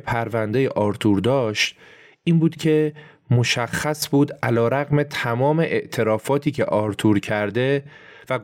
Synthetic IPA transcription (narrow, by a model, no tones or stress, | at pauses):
pʰæɾvænd̪ejeʔɒːɾt̪ʰuːɾd̪ɒːʃt̪ | ʔiːnbuːd̪̥cʰe̞ | mo̞ʃæxːæsbuːd̪ʔælɒːɾæɣme̞t̪ʰæmɒːme̞ʔeʔt̪ʰe̞ɾɒːfɒːt̪ʰiːcʰe̞̰ʔɒːɾt̪ʰuːɾcʰæɾd̪e̞ | væɡ